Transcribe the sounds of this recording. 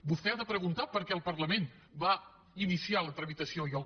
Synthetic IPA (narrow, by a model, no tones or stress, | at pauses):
bust̪ɛaðəpɾəɣunt̪apəɾkɛəlˠpəɾləmen | ba | inisialət̪ɾəmit̪əsiojəlˠ